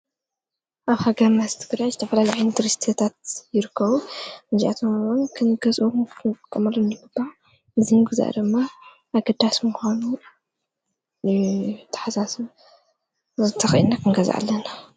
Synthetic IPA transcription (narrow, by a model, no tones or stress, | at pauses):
ʔaβhaɡɐɾmazt̪ʰɨɡɾajzɨt̪ʰɐfɐlaliʕajnɨt̪ʰɨɾist̪ʰet̪ʰat̪̚jɪɾɨkʰːɐβumɨzʔat̪ʰomwunkʰɨnɡɐzʼʔukʰkʼkʼːɐmɐloniɡɨb̥ːaʕ | ʔɨzimɨɡɨza̰ʔd̪ɨmːa | ʔaɡɐd̪asmuxʷanu | t̪ʰḁħasas | ɨt̪ʰɐxʔḭnːakʰɨŋɡɐza̰ʔa̰lːɐna